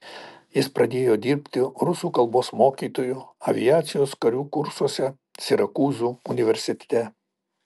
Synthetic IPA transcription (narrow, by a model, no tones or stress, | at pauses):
jɪspɾɐd̪ʲeːjoːd̪ʲiːɾʲpʲt̪ʲɪɾʊsuːkɐlˠboːsmoːkʲiːt̪oːjuɐʋʲɪjaːt̪sʲɪjoːskɐɾʲuːkʊɾsuɔsʲɛ | sʲɪɾɐkuːzuʊnʲɪʋʲɛɾʲsʲɪt̪ʲt̪ʲɛ